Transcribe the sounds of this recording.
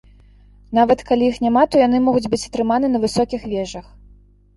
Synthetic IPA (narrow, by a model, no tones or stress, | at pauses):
navɐt̪kalʲijixnʲamat̪ujan̪ɨmɔɣud͡zʲbɨt͡sʲɐt̪ɾɨmanɨnɐvɨsɔkʲixvʲɛʐɐx